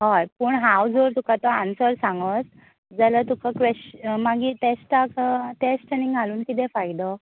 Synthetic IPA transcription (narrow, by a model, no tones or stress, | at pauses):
ɦɔjpuːɳɦawd͡zoɾt̪ukat̪ɔansəɾsãŋɡət͡s | d͡zələt̪ukakʋeɕmaɡiʈesʈakəʈesʈəniŋɡʱaluːnkit̪ɛ̃fajd̪ɔ